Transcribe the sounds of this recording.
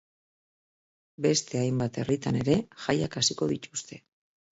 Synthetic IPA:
be̞st̪e̞ajmbat̪e̞rit̪ane̞ɾe̞ʝajakasiko̞ðit̪ust̪e̞

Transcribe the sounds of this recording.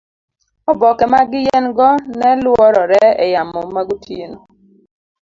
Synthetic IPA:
ɔbɔkɛmaɡɪjɛnɡɔnɛlwɔɾɔɾɛɛjamɔmaɡutʰjeno

